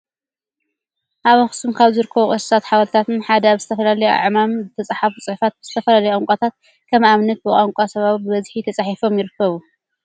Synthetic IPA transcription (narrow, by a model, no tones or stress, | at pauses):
ʔaβɐxsɨmkʰaβzɨɾɨkʰːɐβuχʼɐsɨ̥sʰat̪ħaβɐlt̪ʰat̪ɨnħad̪ɐaβzɨt̪ʰɐfɐlalɐjoʔa̰ʕmamzɨt̪ʰɐt͡sʼaħafut͡sʼɨħfat̪̚bɨz̥ɨt̪ʰɐfɐlalɐjʼaŋkʷʼat̪ʰat̪̚ | kʰɐmaβnɐt̪̚bɨʔʼaŋkʷʼasɐβaβbɨbɐzħit̪ʰɐt͡sʼaħifo̞mjɪɾɨkːɐβu